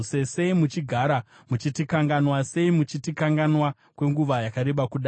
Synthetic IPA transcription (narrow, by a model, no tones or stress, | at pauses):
sese̞imut͡ʃiɡʱaɾa | mut͡ʃitikaŋɡanwase̞imut͡ʃitikaŋɡanwa | kwe̞ŋɡuʋajakaɾe̞ɓakuɗa